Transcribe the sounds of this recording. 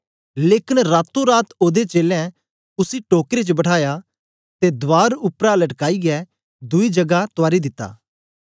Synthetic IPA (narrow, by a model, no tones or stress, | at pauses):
leːkɪnɾaːt̪ːõɾaːt̪oːd̪et͡ʃeːlɛ̃ | ʊsiʈoːkɾet͡ʃəbɐʈʰaːja | t̪ed̪ʋaːɾʊpɾalɐʈkaːiɡɛ | d̪ʊid͡ʒɐɡat̪ʊaːɾid̪ɪt̪ːa̰ː